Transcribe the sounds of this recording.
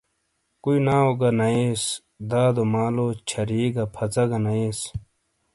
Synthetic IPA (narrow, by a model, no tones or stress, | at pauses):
kuinaːoɡɐnɐeːs | d̪aːd̪omaːloːt͡ɕʰɐɾiːɡɐpʰɐt͡sɐɡɐnɐeːs